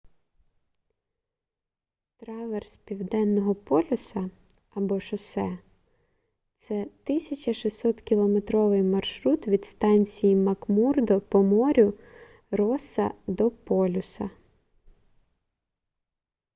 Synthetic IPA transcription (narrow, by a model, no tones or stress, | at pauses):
t̪ɾɑʋerspʲiwd̪ɛnːɔɦɔpɔlʲʊsɐ | ɐbɔʃɔsɛ | t̪sɛt̪ɪsʲɐt͡ʃʲɐʃisɔt̪kʲilˠɔmet̪ɾɔʋɪjmɐrʃɾut̪ʋʲid̪st̪ɑnʲt͡sʲijimɐkmurd̪ɔpɔmɔɾʲʊ | rɔsɐ̰d̪ɔpɔlʲʊsɐ̰